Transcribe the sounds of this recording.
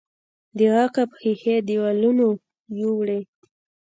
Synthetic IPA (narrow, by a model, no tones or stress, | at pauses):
d̪əɣɑqapxixed̪iwaluno | juwɽe